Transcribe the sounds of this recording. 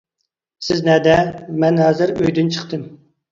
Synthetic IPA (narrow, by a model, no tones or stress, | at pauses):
sɪznɛd̪ɛmɛnɦɛːzɨɾøjd̪ynt͡ʃʰə̥χt̪ɨm